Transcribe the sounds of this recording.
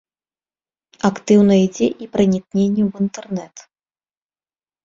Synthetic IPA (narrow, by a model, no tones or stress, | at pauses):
akt̪ɨwnɐid͡zʲɛʔipɾɐnʲiknʲenʲːɛwint̪ɛrnɛt̪